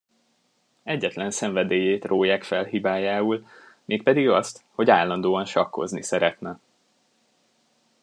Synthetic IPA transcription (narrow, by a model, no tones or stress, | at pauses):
ɛɟːɛt̪lɛnsɛɱvɛd̪eːjeːt̪roːjaːkfɛlɦibaːjaːul | meːk̚pɛd̪iɡɒst̪ho̞ɟaːlːɒnd̪oːɒnʃɒkːo̞̰znisɛɾɛt̪nɛ